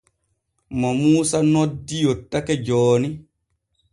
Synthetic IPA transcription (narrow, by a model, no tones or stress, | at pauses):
mɔmuːsanɔdːijotːakɛd͡ʒɔːni